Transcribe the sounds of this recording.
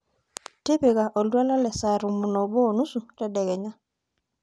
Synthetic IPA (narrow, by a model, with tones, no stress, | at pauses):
te˦pe˨ɣa˨ʔɔ˨lwa˦la˦lɛ˨sa˨ɾu˨mu˨nɔ˨bɔ˦˨nu˦su˨ɾɛ˨dɛ˨ɣɛ˨ɲa˦